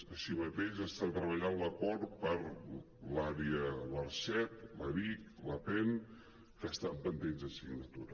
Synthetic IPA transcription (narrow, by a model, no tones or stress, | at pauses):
əʃimət̪ezəst̪at̪ɾəβəʎanləkɔɾpəɾ | laɾiələɾsɛt̪̚ləβikləpɛn | kəst̪ampənd̪enzəsiɡnət̪uɾə